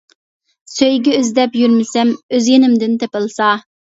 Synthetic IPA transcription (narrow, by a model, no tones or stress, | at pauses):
søjɡʲɛøzd̪ɛpjyɾmɪsɛmøzjenɪmd̪ɪnt̪ʰepɨlˠsɑ